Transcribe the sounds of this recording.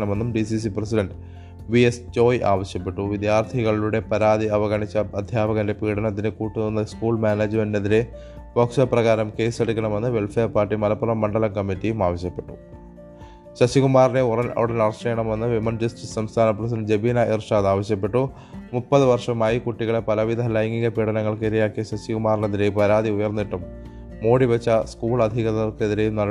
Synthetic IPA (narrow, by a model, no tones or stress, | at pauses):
ɳɐme̞nːumɖisis̬iprɐs̬iɖɐɳɖ | ʋiest͡ɕo̞ːjʔa̰ːʋɐɕjɐpːe̞ʈːuʋid̪jaːrt̪ʰiɣɐɭiluɽe̞pɐɾaːðiɐʋɐɣɐɳit͡ɕːɐɐd̪ʱjaːbɐɣɐnde̞piːɽɐnɐt̪ːinɨkuːʈːunonːɐskuːɭmaːneːd͡ʑmenneðiɾe̞ | boːkʂɐprɐɣaːɾɐmke̞ːseɽukʲːɐɳɐme̞nːɨʋe̞lfeːrpaːrʈːimɐlɐpːurɐmːɐɳɖɐlɐkɐmːitːijumaːʋɐɕjɐpːe̞ʈːu̥ | ɕɐɕiɣumaːrneurɐnɐ̰ʋiɽɐnɐrɐʂɐjɐɳɐmenːɨʋimɐnd͡ʑɐsʈissɐmst̪ʰaːnɐprɐs̬id͡ʑebiːnɐʔirʂaːðaːʋɐɕjɐp̬ːe̞ʈːu | mupːɐðɨʋɐrʂɐmaːjikuʈːiɣɐɭepɐlɐʋid̪ʱɐlɐjŋɡiɣɐpiɽɐnɐŋːɐɭkeɾijaːkːijɐɕɐɕiɣumaːrneðiɾe̞jpɐɾaːd̪iujɐrnːiʈːumː | o̞ːɽiʋet͡ɕːɐskuːɭɐd̪ʱiɣɐðɐrkeðiɾe̞jumnɐ